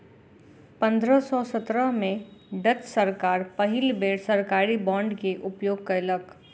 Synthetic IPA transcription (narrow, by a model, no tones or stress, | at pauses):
pɐ̃nd̪ɾəsɔːsət̪ɾəɦmẽɖət̪səɾkaːɾpɐɦɪlbeːɽsəɾkaːɾibɔ̃ːɳɖkeʔʊpjoːɡ̚kəɪlək